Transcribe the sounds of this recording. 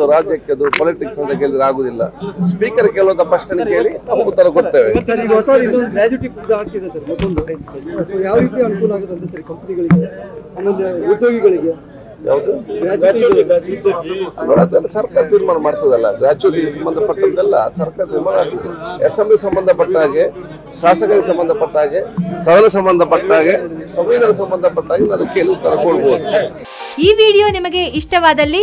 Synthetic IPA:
uɾaːd͡ʒjɐkːeɐd̪upɔːliʈiksɐnd̪ɐkeːɭid̪ɐɾaːɡoːd̪ilːɐ̰spiːkɐɾkeːɭʋɐnt̪ɐpɾɐʂʈɐnkeːɭiɐmːut̪ːɐɾɐkoɽt̪eːʋesɐɾiɡ̪ɐɦɔsaːɾinːond̪uɡɾaːd͡ʒuʈipd̪ɐaːk̚t̪id̪esɐɾmɔt̪ːond̪usojaːʋɾiːt̪iɐnukuːlɐaːɡod̪ond̪esɐɾikɐmpɐniɡɐɭiɡeaːmeleud̪joːɡiɡɐɭiɡe | ja̰ːʋud̪uaa | no̰ːɽaɐd̪ɐlːɐsɐɾkaːɾɐt̪iːɾmaːnɐmaːɽt̪ɐd̪ɐlːɐ̰ɡɾaːt͡ʃuʈːiɡesɐmbɐnd̪ʱɐpɐʈːɐd̪ɛlːɐ̰sɐɾkaːɾɐt̪iːɾmaːnaːɡ̪iesemblisɐmbɐnd̪ʱɐpɐʈːaːɡe | ʃaːsɐkɐɾɡesɐmbɐnd̪ʱɐpɐʈːaːɡesɐd̪ɐlɐsɐmbɐnd̪ʱɐpɐʈːaːɡesɐmʋiːd̪ɐnɐs̬ɐmbɐnd̪ʱɐpɐʈːaːɡenɐd̪ɐkːeːlut̪ɐɾɐkoɭboːd̪u | iːʋiːɽijo̞ːnimɐɡe̞iʂʈɐʋaːd̪ɐlːi

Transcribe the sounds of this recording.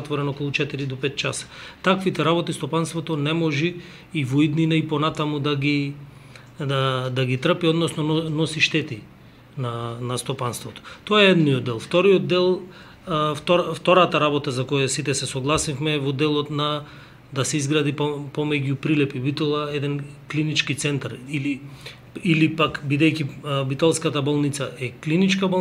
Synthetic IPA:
at̪vɔɾɛnɔkolˠut͡ʃɛt̪iɾid̪ɔpɛt̪̚t͡ʃasḁt̪akvit̪ɛɾaβɔt̪ist̪ɔpanst̪vɔt̪ɔnɛmɔʒiː | void̪ninaipɔnat̪amud̪aɡi | d̪ad̪aɡit̪r̩piɔd̪nɔsnɔnɔsiʃt̪ɛt̪i | nanast̪ɔpanst̪vɔt̪ɔ̥t̪ɔaɛɛd̪nijɔd̪ːɛlˠft̪ɔɾijod̪̚ːɛlˠ | ft̪ɔɾft̪ɔɾat̪aɾabɔt̪azakɔjasit̪ɛsɛsɔɡlˠasifmɛvɔd̪ɛlˠɔt̪na | d̪asɛizɡɾad̪ippɔmɛɟupɾilɛpibit̪ɔlˠaɛd̪ɛnklinit͡ʃkit̪sɛnt̪aɾili | ilipakbid̪ɛjcibit̪ɔlˠskat̪abolˠnit̪saʔɛklinit͡ʃkabo

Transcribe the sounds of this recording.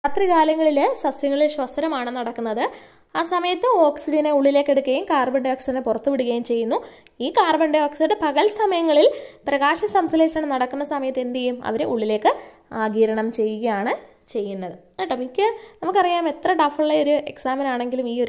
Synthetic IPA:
pɐt̪riɣaːlɐŋːɐɭilesɐsjɐŋːɐɭilɕwɐsɾɐmaːɳɨnɐɽɐkːunːɐðɨ | aːsɐmɐjɐt̪ːɨo̞ːksid͡ʑɐneuɭːileːkːe̞ɽukːɐjumkaːrbɐɳɖeo̞ːksiɐnepurɐt̪ːupiɽuɣɐjumt͡ɕe̞jːunːu | iːkaːrbɐɳɖeo̞ːksiɽɨpɐɣɐlsɐmɐjɐŋːɐɭilprɐɣaːʂɐsɐmsle̞ːʂɐɳɨnɐɽɐkːunːɐsɐmɐjɐt̪ːe̞nd̪ɐjumɐ̰ʋɐɾeuɭːile̞ːkːɨ | aːɡiːɾɐɳɐmt͡ɕe̞jːiɣɐjaːɳɨ | t͡ɕe̞jːunːɐðɨnaʈːɐmikʲːɨnɐmukːɐrijaːme̞t̪rɐʈɐfuɭːɐo̞ɾue̞̰ksaːmɐnaːɳe̞ŋɡilumiːo

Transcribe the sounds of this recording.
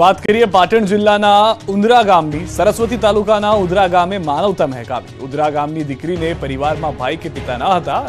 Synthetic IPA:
ʋat̪kəɾiepaʈəɳd͡ʒɪlːanaʊnd̪ɾaɡamnisəɾəsʋət̪it̪alukanaʊ̃d̪ɾaɡamemanəʋt̪amɦɛka̰bḭʊd̪ɾaɡamnid̪ɪkɾinepəɾiʋaɾmãbʱajkepɪt̪anəɦət̪a

